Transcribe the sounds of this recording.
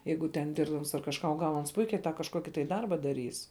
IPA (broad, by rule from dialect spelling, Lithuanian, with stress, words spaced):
ˈjɛɪɡʊ tʲɛn ˈdʲɪrbdɐms ɐr kɐʃˈkɑː oː ˈɡɐlˠ ˈɐns ˈpʊɪkʲɛɪ tɑː kɐʃˈkoːkʲɪ tɐɪ ˈdɐrbɐ dɐˈrʲiːs